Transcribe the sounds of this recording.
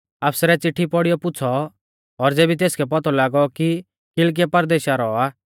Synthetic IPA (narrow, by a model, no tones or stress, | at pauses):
aːpsɾɛt͡sɪʈʰːipɔɽijɔpʊt͡sʰɔː | ɾd͡zeːbit̪̬eːskʰɛp̬ɔt̪ʰɔlaːɡɔki | kɪlk̬iɛpɐɾd̪eːʃaɾɔaː